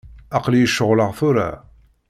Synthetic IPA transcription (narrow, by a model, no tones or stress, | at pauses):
ɑqlijəʃːəʁləʁθuɾa̰